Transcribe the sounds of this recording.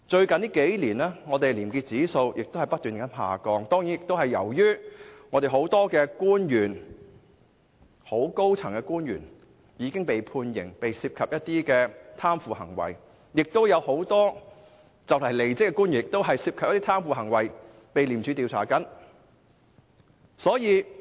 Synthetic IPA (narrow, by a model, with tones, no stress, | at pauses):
t͡ʃɵ˧ɥkɐ˨nliː˥ke˨˥jliː˨˩nɛː˥ŋɔː˨˧t̪e˨jliː˨˩mkiː˧t̚t͡siː˨˥so˧wjʔɪ˨k̚t̪o˥whɐ˨˩jpɐt̪̚ːyː˨˩nkɐ˨˥nha̰ː˨kɔː˧ŋt̪ɔː˥ŋjiː˨˥njɪ˨k̚t̪o˥whɐ˨˩jːɐ̰˨˩wjyː˥ŋɔ˨˧t̪e˨˩ɦo˨˥wt̪ɔː˥kɛː˧kuː˥njyː˨˩n | ho˨˥wko˥wt͡sʰɐ˨˩ŋkɛ˧kuː˥njy̰ː˨˩n | jiː˨˧kɪ˥ŋpe˨jpʰuː˧njɪ̰˨˩ŋpe˨jsiː˧p̚kʰɐ˨p̚jɐ˥t̚t̪iː˥kɛː˧t̪ʰaː˥mfuː˨hɐ̰˨˩ŋwɐ̰˨˩j | jɪ˨k̚t̪o˥wjɐ˨˧who˨˥wt̪ɔː˥ | t͡sɐ˨˩wlɐ˨˩jle˨jt͡sɪ˥kːɛː˧kuː˥njyː˨˩n˨ɪkt̪o˥wɦɐ˨jsiː˧p̚kʰɐ˨p̚ɐ˥t̪i˥t̪ʰaː˥mfuː˨hɐ˨˩ŋwɐ˨˩j | pe˨˧jliː˨˩mt͡ʃʰy˨˧t̪iː˨wt͡sʰa̰ː˨˩kɐ˨˥n | sɔː˨˥jiː˨˧